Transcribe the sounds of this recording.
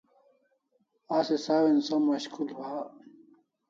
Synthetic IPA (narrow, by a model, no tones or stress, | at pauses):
aːsesaːwensɐmɐɕkʰulwa